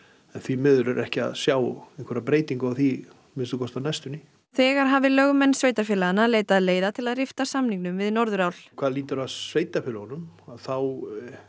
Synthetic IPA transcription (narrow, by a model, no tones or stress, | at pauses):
ɛnθvimɪːðʏɾʏɾʔɛhcɪa̰ðsjaːwɛŋkʰvɛɾapɾeːjt̪iŋkaθi | mɪnst̪ʏkʰɔst̪anɛst̪ʏni | θɛːɣaɾ̥ɦaːvɪlœɣmɛnːsveːjt̪aɾfɪlaðnːaleːjt̪aðleːjðat̪ʰɪlaðrɪft̪asamniŋknʏmvɪðnɔɾðʏɾawl̥kʰv̥aːðliːt̪ʏɾaðveːjt̪aɾfɪlaɣɔnʏmaðθaw